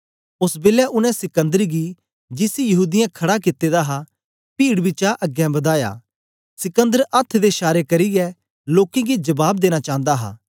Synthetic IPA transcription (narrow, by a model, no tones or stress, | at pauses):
ʊsbeːljaʔʊnɛ̃sɪkə̃nd̪əɾɡi | d͡ʒɪsijɐɦuːd̪ɪjãkʰɐɽakɪt̪ːed̪aɦa | piːɽbɪt͡ʃaʔɐɡjɛ̃bɐd̪aːja̰ː | sɪkə̃nd̪əɾʔɐt̪ʰːd̪eʃaːɾekɐɾɪɡɛ | loːkẽɡid͡ʒɐbaːb̚d̪eːñat͡ʃãːnd̪aɦa̰ː